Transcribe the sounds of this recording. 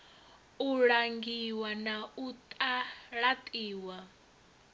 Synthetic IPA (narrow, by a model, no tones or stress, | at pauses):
uɺaŋɡiwanaut̪ʼaɺat̪ʼiːwa